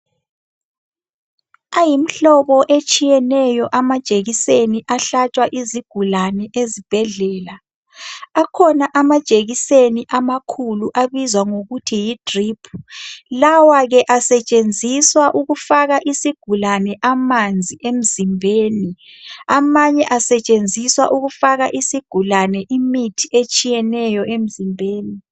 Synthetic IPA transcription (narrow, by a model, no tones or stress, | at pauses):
ajim̩ɬɔβɔʔet͡ʃʼijɛnɛjɔʔamḁt͡ʃʼeɣiseniʔaɬat͡ʃʼwaʔiziɡ̥ʱulanɛʔezib̥ʱɛɮɛːla | akʰɔnaʔamḁt͡ʃʼeɣiseniʔamakʰuluʔaβizwaŋoɣutʰijidripʰu̥lawaɣɛʔasɛt͡ʃʼend͡zʱiswaʔuɣufaɣaʔisiɡ̥ʱulanɛʔamand͡zʱiʔem̩zimbʱeːniamaɲɛʔasɛt͡ʃʼend͡zʱiswaʔuɣufaɣaʔisiɡ̥ʱulanɛʔimitʰiʔet͡ʃʼijɛnɛjɔʔem̩zimbʱeːni